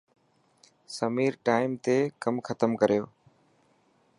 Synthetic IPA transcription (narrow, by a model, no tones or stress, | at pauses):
səmiːɾʈaːɪmt̪eːkəmxʰət̪əmkəɾɪjoː